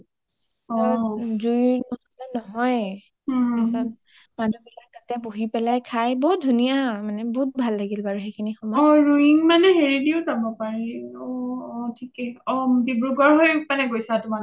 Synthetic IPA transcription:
ɔzujnɔɦɔlɛnɔɦɔj | asan | madubilak̚tatɛboɦipɛlajkʰajboɦut̚dʱunijamanɛbɔɦut̚bʱalːaɡilbaɹuxekʰinixɔmɔɔɹuiŋmanɛɦeɹidiʊzabɔpaɹɛɔtʰikɛɔmdibɹuɡɔɹɦojmanɛɡojsatʊmal

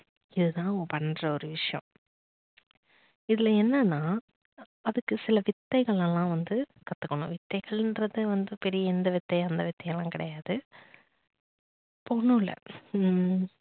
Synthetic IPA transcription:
ɪðɯt̪ãːpɐnːrɐɔɾɯʋɪʂɐjɐ̰̃ | ɪðɪlɐɛnːɐnːaː | ɐðɯkːɯsɪlɐʋɪt̪ːɐɪɣɐɭɛlãːʋɐnd̪ɯ | kɐt̪ːɯkːɐɳʊ̃ʋɪt̪ːɐɪɣɐɭɛndrɐðɯʋɐnd̪ɯpɛɾɪjɐɛnd̪ɐʋɪt̪ːɐɪɐnd̪ɐʋɪt̪ːɐjɐlãːkɪɽɐjaːðɯ | pːoːɳɯ̃ːɪlːɐ̰

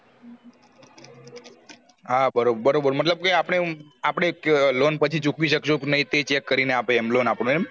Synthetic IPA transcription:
ɦabəɾobbəɾobəɾmət̪ləb̚keapɽ̃eapɽ̃eklonpət͡ʃʰit͡ʃukʋiʃəkʃoknəɦĩt̪et͡ʃɛkːəɾineapeːmlonapɽ̃uem

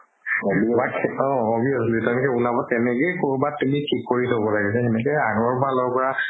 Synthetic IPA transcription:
ɔbbakɔ̃obiɔslitɔmkɛulabɔtɛnɛkejkoɹubatːumikʰikːoɹitʰabɔlaɡɛsʰaɛnɛkɔjaɡɔɹpɔalɔɡpɔɹa

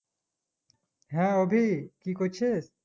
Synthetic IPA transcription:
ɦãobʱikikot͡ɕʰes

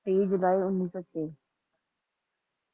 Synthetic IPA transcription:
ʈeːid͡ʒʊlaːiʊnːiːsoːt͡ɕeː

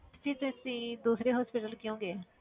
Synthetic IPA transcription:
siːzẽsĩːd̪uːsɾeːɦɔːspɪʈəlkɪjõːɡeː

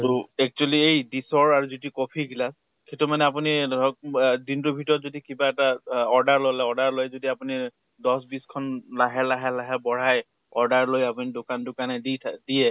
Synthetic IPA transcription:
toɛk̚t͡ʃualiejdisɔɹaɹuzitikɔpʰiɡilas | kʰetumanɛap̬uniɔkdintubʱitɔɹɔtzodikibaɛtaɔɹdaɹlolɛɔɹdaɹlojzodiapuni | dɔsbiskʰɔnlaɦɛlaɦɛlaɦɛbɔɹ̤aj | ɔɹdaɹlojapunidokandʊkanɛditʰdijɛ

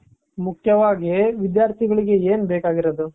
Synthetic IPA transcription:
mukʰjɐʋaːɡiʋid̪jaːɾt̪ʰiɡɐɭiɡe̞eːnbeːkaːɡiɾɐd̪u

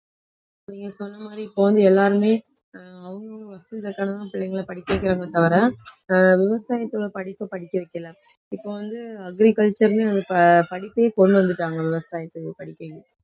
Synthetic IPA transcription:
niːŋɡɐsɔnːɐmaːd̪ɾiɪpːoːʋɐnd̪ɯɛlːaːɾɯmeː | ɐʋɐŋɡɐɐʋɐsɐɪðɐkːaːnɐðãːpɪɭːɐŋɡɐɭɐpɐɽɪkːɐʋɛkːɪɾaːŋɡɐt̪ːɐʋɐɾɐ̃ | ʋɪʋɐsaːjɐt̪ːoɭɐpɐɽɪpːɐpɐɽɪkːɐʋɛkʲːɐlɐ | ɪpːoːʋɐnd̪ɯɐɡɾikɐlt͡ʃɐɾneːʋɐnd̪ɯppɐɽɪpːeːkɔɳːɯʋɐnd̪ɯʈːaːŋɡɐʋɪʋɐsaːjɐt̪ːɯpɐɽɪkːɐʋɛkːɪɯ

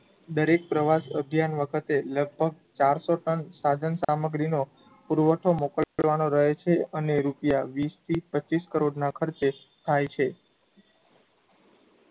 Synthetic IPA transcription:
d̪əɾek̚pɾəʋasəbʱjanʋəkʰət̪eləɡ̚bʱəɡ̚t͡ʃaɾsoʈənsad͡ʒənsaməɡɾino | puɾʋəʈʰomokəlʋanoɾəɦet͡ʃʰeəneɾupjaʋist̪ʰipəiskəɾoɖnakʰəɾt͡ʃe | t̪ʰajt͡ʃʰe

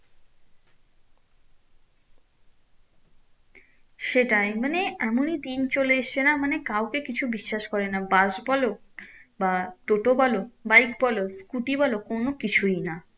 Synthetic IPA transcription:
ʃeʈajmaneɛmonid̪int͡ɕoleeʃt͡ɕʰenamanekawkekit͡ɕʰubiʃːaʃkɔɾenabaʃbɔlo | baʈ̪oʈobalobajk̚bɔloskuʈibalokonokit͡ɕʰuina

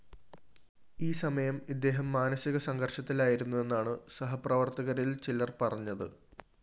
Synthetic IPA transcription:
iːsɐmɐjɐmid̪ːe̞ːɦɐmːaːnɐsiɣɐsɐŋɡɐrʂɐt̪ːilaːjiɾunːue̞nːaːɳɨsɐɦɐprɐʋɐrt̪ɐɣɐɾilt͡ɕilɐrpɐrɐɲːɐðɨ̰

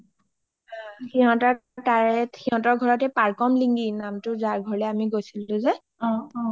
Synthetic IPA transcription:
xiɦɔ̃tɔɹtaɹɛtxiɦɔ̃tɔɹɡʱɔɹɔtɛpaɹkɔmliŋɡinamtʊzaɹɡʱɔɹlɛamiɡojsilʊ̃zɛ | ɔ̃

